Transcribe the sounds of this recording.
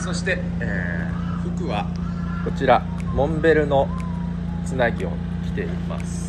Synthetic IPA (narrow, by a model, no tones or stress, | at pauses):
so̞ɕi̥t̪e̞ | eː | ɸɯ̟kɯ̟βa | ko̞t͡ɕiɾa | mõ̞mbe̞ɾɯ̟no̞ | t͡sɨnaɡʲio̞̰ | kʲi̥t̪e̞ima̰sɨ̥